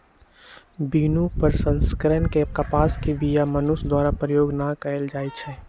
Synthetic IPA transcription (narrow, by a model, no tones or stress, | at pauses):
biːnũpəɾsə̃nskəɾənkekɐpaːskiʋijamənʊsd̪waːɾapɾəjoːɡnakəeld͡ʒaːit͡ʃʰɛː